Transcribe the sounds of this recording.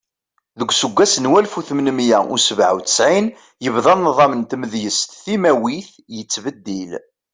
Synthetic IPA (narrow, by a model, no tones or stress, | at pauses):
ðəɡʷːsəɡʷːæsənwælfuθmnmjæṵsəvʕa̰wt̪ə̥sʕin | jəvðˤɑnnːəðˤɑmənt̪məðjəst̪θimæwiθ | jət͡sːvəd̪ːil